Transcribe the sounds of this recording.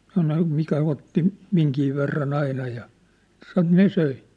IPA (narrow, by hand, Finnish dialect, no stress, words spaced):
sɑno mikæ otːi miŋki ʋerːɑn ɑinɑ jɑ sɑn̆ ne søi